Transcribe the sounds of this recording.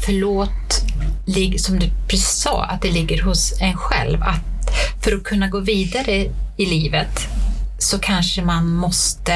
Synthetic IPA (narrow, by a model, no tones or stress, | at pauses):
fœɭoːt̪lɪɡsɔmd̪ɵpʰɾɛsisɑ̰ːa̰t̪̚d̪ɛlɪɡːəɾɦʊsɛnɧɛ̰lva̰t̪fœɾɔkʰɵnːaɡoːviːd̪aɾəɪliːvət̪sɔkʰanʂəmanmɔst̪ə